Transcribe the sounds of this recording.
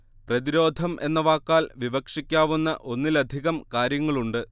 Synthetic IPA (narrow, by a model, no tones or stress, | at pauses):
prɐðiɾo̞ːd̪ʱɐmʔe̞nːɐʋaːkːaːlʋiʋɐkʂikʲːaːʋunːɐʔo̞nːilɐd̪ʱiɣɐmkaːɾjɐŋːɐɭuɳɖɨ